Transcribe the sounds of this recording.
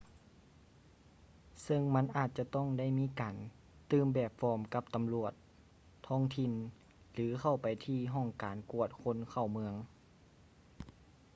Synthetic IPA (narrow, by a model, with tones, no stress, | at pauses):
sɤ˧˨ŋma˧˥˨nʔaː˨˩t̪̚t͡ɕa˧t̪ɔ˥˩ŋda˥˩˨jmiː˧˥˨kaː˨˩n | t̪ɯː˧˩mbɛː˧˩p̚fɔː˧˥˩mka˧˥p̚t̪a˨mlu˧˨˩ət̪̚ʰː | ɔː˧˥˩ŋt̪ʰi˧˩˨n | lɯː˩˦kʰa˧˩wpa˨˩jt̪ʰiː˧˥˨ɦɔ˧˥˩ŋkaː˨˩nku˧˩ət̪̚kʰo˧˥˨nkʰa˧˩wmɯ˧əŋ